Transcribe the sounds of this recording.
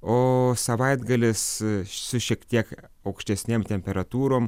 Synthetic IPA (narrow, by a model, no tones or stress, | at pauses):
oːsɐʋɐɪd̪ɡɐlʲɪssʊʃʲiɛkt̪ʲiɛk | ɐʊkʃʲt̪ʲɛsʲnʲeːmt̪ʲɛmʲpʲɛɾɐt̪uːɾoːm